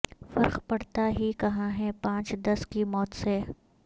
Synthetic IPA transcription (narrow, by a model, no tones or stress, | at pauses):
fɐɾxpɐɽt̪aɦikɐɦãɦɛpãːt͡ʃd̪ɐskimɔːt̪se